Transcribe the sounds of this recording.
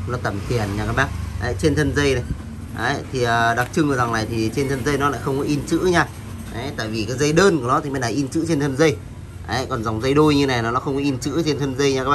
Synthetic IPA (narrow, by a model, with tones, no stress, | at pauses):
lːt̪ə˧˩mt̪ʰi˨˩ənɲaː˨˩kaː˦˥k̚ɓaː˧˩k̚ʔə˨˦t͡ɕe˧nt̪ʰə˧nzə˧jna˨˩j | ʔə˨˦jt̪ʰi˨˩ʔəː˨˩ɗa˨˩k̚t͡ɕɨ˧ŋʔɨ˨˩za˨˩ŋnaː˨˩jt̪ʰi˨˩t͡ɕe˧nt̪ʰə˧nzə˧jnɔ˨˦la̰˧˥xə˧wŋ͡mkɔ˨˦ʔi˧nt͡ɕɨ̰˧˥ɲaː˧ | ʔə˨˦t̪a̰ː˧˨jvi˨˩kaː˨˦jzə˧jɗəː˧nku˧˩nɔ˨˦t̪i˨˩ma˧nɗaː˨˩ʔi˧nt͡ɕɨ̰˧˥t͡ɕe˧nt̪ʰə˧nzə˧j | ʔə˨˦kɔ˨˩nza˨˩wŋ͡mzə˧jɗo˧jɲɨ˧na˨˩jnɔ˨˦la̰ː˧˦xə˧wŋ͡mkɔ˨˦ʔi˧nt͡ɕɨ̰˧˥t͡ɕe˧nt̪ʰə˧nzə˧jɲaː˧˨˧kaː˦˥ɓa˧